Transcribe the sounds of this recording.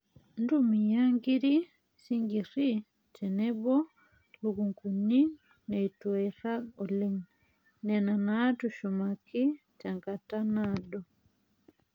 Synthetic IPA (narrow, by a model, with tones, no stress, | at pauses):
ndumi˨ja˦ŋɡi˦ɾi˦ | si˦ŋɡi˨ɾi˦ | tɛnɛ˦bɔ˦ | lukuŋku˨ni˦ | nɛ˨itwɛɾa˦ɔ˨leŋ | nɛnanatuʃumaki˦ | taŋka˨ta˦nadɔ˨